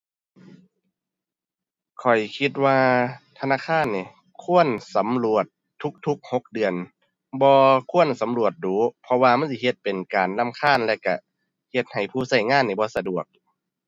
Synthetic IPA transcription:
kʰɔ˨˩jkʰi˧t̪̚waː˧t̪ʰa˧naː˧˥˨kʰaː˧˥˨nːiː˨˧˩ | kʰu˧˥˨ənsa˨˦mlu˧˩ət̪̚ʰːu˧˦˥k̚t̪ʰu˧˥k̚ho˧˦k̚dɯ˨˩ən | bɔː˧kʰu˧˥˨ənsa˨˦mlu˧˩ət̪̚duː˨˦pʰɔ˧waː˧ma˧˥˨ns̬i˧˩he˧˦t̪̚pe˨nkaː˨˩nla˧˥˨mkʰaː˧˥˩nlɛ˧˨ka˧˩ | he˧t̪̚ha˨˩jpʰuː˧˩sa˧˩jŋaː˧˥˨nːiː˧˩bɔː˧˦sa˧du˨˩ək̚

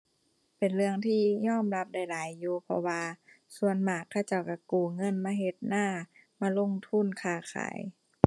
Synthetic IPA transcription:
pe˨˩nlɯ˧əŋt̪ʰiː˧ɲɔː˧˥˨mla˧˦˥p̚da˧˩jlaː˨˦jːuː˧pʰɔ̰˧waː˧ | su˧ənmaː˨˩kʰːa˧˩wt͡ɕa˧˩wka˧˩kuː˨˩ŋɤ˧˥˨nmaː˧˥˨ɦe˧t̪̚naː˧˥˩ | maː˧˨lo˧˥˨ŋt̪ʰu˧˥˨nkʰaː˧˩kʰa̰ː˨˦j

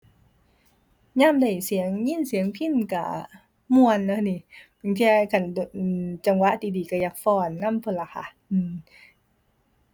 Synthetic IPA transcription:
ɲaː˧˥˨mda˧˨˩jsi˨˦əŋɲi˧˥˨nsi˨˦əŋpʰi˧˥˨nka̰˧˩ | mu˧ə˨nːa˧˩ni˧˩pɯ˨˦nt̪ʰi˧a˧kʰa˧˩ndo˧˨˩t͡ɕa˧˩ŋwa˧˥ʔt̪iː˧diː˨˩ka˧˩jaː˧˩k̚fɔː˧˩nːa˧˥˨mpʰɤ˧˩˨la˧˩kʰa̰˧˩ʔɯː˧˩

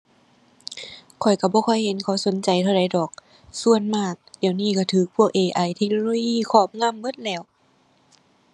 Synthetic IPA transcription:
kʰɔ˨˩jka˧˩bɔː˧˦kʰɔ˧˩jhe˨˦nkʰa˧˦wso˨˦nt͡ɕa˨jt̪ʰa˧wɾa˨˧˦jdɔː˨˩k̚ | su˧˨ənmaː˧˩t̪̚diː˨˩˨wniː˧˩ka˧˩t̪ʰɯː˨˩k̚pʰu˧ək̚ʔeː˨˩ʔa˨˧˩jt̪ʰe˧k̚noː˧loː˧jiː˧˥˨kʰɔː˧˩p̚ŋa˧˥˨mbɤ˧˥˨t̪̚lɛː˧˩w

